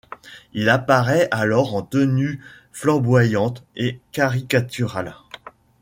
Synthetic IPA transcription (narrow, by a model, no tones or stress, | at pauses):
ilapaʁɛʔalɔʁɑ̃t̪əny | flɑ̃bwajɑ̃t̪ekaʁikat̪yʁal